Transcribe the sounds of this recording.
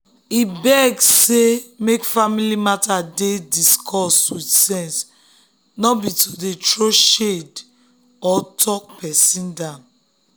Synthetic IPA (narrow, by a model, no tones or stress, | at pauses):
ibɛɡssemekfamilimatadediskʰɔswitsɛ̃ns | nɔbitʰodetɹoʃed | ɔtʰɔk̚pʰɛsĩndãn